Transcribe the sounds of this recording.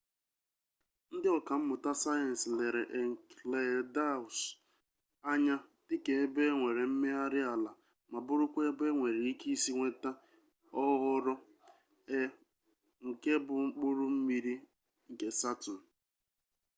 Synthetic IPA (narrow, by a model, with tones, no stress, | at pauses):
n̩˦dɪ˦ɔ˨ka˨m̩˦mʊ˨ta˦sa˦je˨n̩˨sle˨ɾe˨ʔe˨ŋ˨le˨da˦˨ʊ˨s | a˦ɲa˦tɪ˦ke˨˦be˦ŋʷe˨ɾe˨m̩˦me˦a˦ɾɪ˦a˨la˨ | ma˨bʊ˦ɾʊ˦kʷe˦be˦ŋʷe˨ɾe˨i˦ki˦si˦ŋʷe˦ta˦ | ɔ˦ɣʊ˦ɾɔ˦ | e˦ | ŋ̩˨ke˦bʊ˨ŋ͡m̩˦k͡pʊ˦ɾʊ˦m̩˦mi˦ɾi˦ | ŋ̩˨ke˨sa˦tʊ˨n̩˨